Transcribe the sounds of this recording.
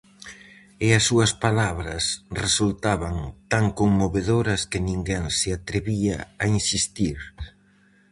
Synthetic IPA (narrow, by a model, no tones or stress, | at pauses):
ɪɐsːuɐspalaβɾɐsresult̪aβaŋt̪aŋkoŋmoβeðoɾɐskɪnĩŋɡɛŋsɪat̪ɾeβia̰ainsist̪iɾ